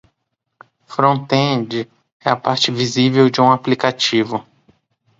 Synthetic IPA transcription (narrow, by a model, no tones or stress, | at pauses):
fɾõt̪ẽd͡ʒɪ | ɛapaɾt͡ʃɪvizivewd͡ʒɪũaplikat͡ʃivʊ